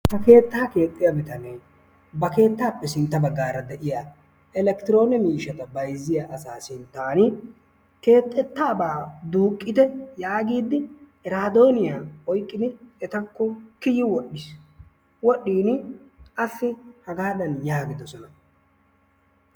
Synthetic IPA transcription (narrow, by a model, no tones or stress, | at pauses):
hɐke̞ːt̪ːaːke̞ːt̪ʼːɪjabɪt̪ɐnɛ | bɐke̞ːt̪ːaːpːɛsɪnt̪ːɐbɐɡːaːɾɐd̪ɛʔɪjaː | ɛlɛkt̪ɪɾo̞ːnɛmiːʃɐt̪ɐbɐjzɪjaːʔɐsaːsɪnt̪ːaːnɪ | ke̞ːt̪ʼːɛt̪ːaːbaːd̪uːkʼːɪd̪ɛjaːɡiːd̪ːɪ | ɾaːd̪o̞ːnɪjaːɔjkʼːɪd̪ɪɛt̪ɐkːɔkɪjɪwɔɗːɪs | wɔɗːiːnɪʔɐfːɪhɐɡaːd̪ɐnjaːɡɪd̪ɔsɔnɐ